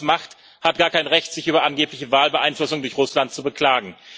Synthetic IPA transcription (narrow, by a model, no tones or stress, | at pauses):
maχt | hat̚ɡ̥aːɐkʰaɪnʁɛçtz̥ɪçʔyːbɐʔanɡeːplɪçəvaːlbəʔaɪnflʊsʊŋdʊɐçʁʊslant̚t͡subəkl̥aːɡŋ̩